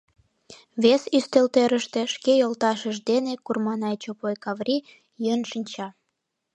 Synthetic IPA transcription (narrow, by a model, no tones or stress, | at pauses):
βesyst̪elt̪eɾəʃt̪e̽ʃkejolt̪ɑʃəʒd̪enekurmɑnɑjt͡ɕopojkɑβrʲi | jønʃənʲt͡ɕɑ